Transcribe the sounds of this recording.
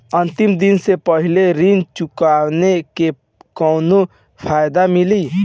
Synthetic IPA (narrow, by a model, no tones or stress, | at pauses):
ə̃nt̪ɪmd̪ɪnsepəɦɪleɾɪnt͡ʃʊkaːʋneke | kɔːno | pʰaːjd̪amɪliː